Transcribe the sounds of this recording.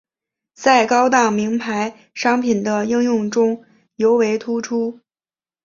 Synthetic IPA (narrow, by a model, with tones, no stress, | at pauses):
t͡sa˥˩ɪkɑ˥ʊt̪ɑ˥˩ŋmi˧˥ŋpʰa˧˥ɪ | ʂɑ˥ŋpʰi˨˩nd̪ə˦i˥˧ŋjʊ˥˩ŋʈ͡ʂʊ˥ŋ | jo˧˥ʊwe˧˥ɪt̪ʰu˥ʈ͡ʂʰu˥